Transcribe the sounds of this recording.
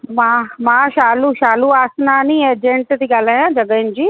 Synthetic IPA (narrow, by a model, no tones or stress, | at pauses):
mãmãːʃaːluʃaːluaːsnanĩeːd͡ʒẽɳʈd̪iɡɐlɛãd͡ʒɐɡənd͡ʒiː